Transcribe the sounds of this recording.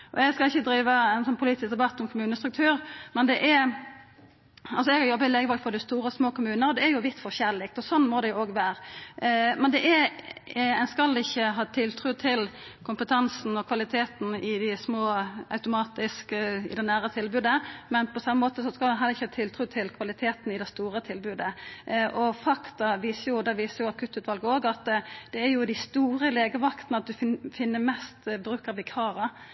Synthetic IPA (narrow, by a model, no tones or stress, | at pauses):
ʔɔ̰ɛɡskɑlɪçːəd̪ɾiːʋəænsɔnːpʰʊliːt̪ɪs̚d̪ɛbɑt̪ːɔmkʰʊmʉːnəst̪ɾʉk̚t̪ʰʉːʁmɛnd̪ɛʔɛ | ɑlsɔɛɡhɑɾjɔbːəɪleːɡəʋɑɡfɔd̪ɪst̪uːɾəsmoːkʊmʉːnəɾɔd̪ɛæjʊʋɪt̪ːfɔçælɪk̚t̪ɔsɔnmɔd̪ɛjʊoːɡʋæːɾ | mɛnd̪ɛʔæ | ɛnskɑlːɪçːəɦɑːt̪ʰɪlt̪ʰɾʉːt̪ʰɪlkʰʊmpət̪ʰɑnsn̩ɔkʰʋɑlɪt̪ʰeːt̪n̩ɪd̪ɪsmoːɑ̰ʉt̪ʊmɑːt̪ɪskəɪ̰d̪ɛnæːʁət̪ʰɪlbʉːd̪əmɛnpʰɔsɑmːəmoːt̪əsɔskɑld̪ɛnɦɑːd̪ɛɪçːəhɑːt̪ʰɪlt̪ʰɾʉːt̪ʰɪlkʰʋɑlɪt̪ʰeːt̪nɪd̪ɛst̪uːʁət̪ʰɪlbʉːd̪əʔɔfɑkt̪ɑʋiːsəɾjʊd̪ɛʋiːsəɾjʊɑkʰʉt̪ːʉːt̪ʰʋɑlɡəoːɡɑt̪d̪̥ɛæɾjʊd̪ɪst̪uːɾəleːɡəʋɑkt̪n̩ɑt̪̚d̪ʉfɪnːəmɛst̪bɾʉːkəʋɪkʰɑːɾɑ